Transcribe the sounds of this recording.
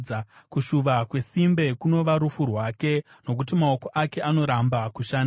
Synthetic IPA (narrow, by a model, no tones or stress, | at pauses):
akuʃuʋakwe̞simbe̞kuno̞ʋaɾufurwaːke̞ | no̞k̬ut̬imao̞ko̞ʔake̞ʔano̞ɾambakuʃaːn